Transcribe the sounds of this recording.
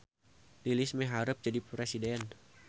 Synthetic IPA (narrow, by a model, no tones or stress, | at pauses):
lilɪsmɛɦaɾəp̚d͡ʒadipɾɛsidɛn